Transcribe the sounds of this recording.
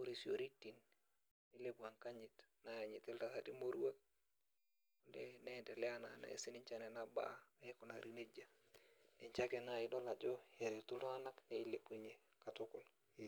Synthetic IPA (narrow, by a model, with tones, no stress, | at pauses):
o˦ɾi˨si˨o˨ɾi˦ti˨n | i˦le˦bu˨a˨ŋka˦ɲi˨tna˨ja˨ɲi˨ti˦lta˨sa˦ti˦mo˦ɾu˦wa˦k̚ | u˨nde˦ne˦˨de˨lɛ˦a˦na̰˨na̰˨ḛ˨si˦ni˦ɲt͡ʃa˨nɛ˨na˦ba̰˦ku˨na˨ɾi˨ne˦d͡ʒa˨ | ne˨ɲt͡ʃa˦ke˨na˦i˨do˦la˨d͡ʒɔ˦je˨ɾe˨tu˦lo˦a˦na˦knei˦le˨pu˨ɲe˨ | ka˨tu˦kʊ˨l